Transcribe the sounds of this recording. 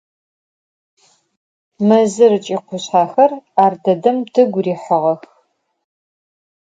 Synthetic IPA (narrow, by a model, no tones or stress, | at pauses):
mɐzɨɾɨt͡ʃʼiːqʷʊɕħaːxɐraːrdɐdɐmtʰɨɡʷriːħəʁɐx